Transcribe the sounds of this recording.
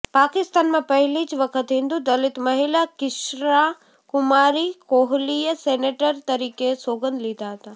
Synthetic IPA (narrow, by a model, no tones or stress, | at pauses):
paːkɪst̪aːnmãpɐɦɪlit͡ʃʋɐkʰət̪ɦĩːnd̪ũd̪ɐlɪt̪mɐɦɪlakɪʃɾa | kʊmaːɾikoɦlijəseːneːʈəɾt̪ɐɾiːkesoːɡə̃nd̪lid̪aɦət̪aː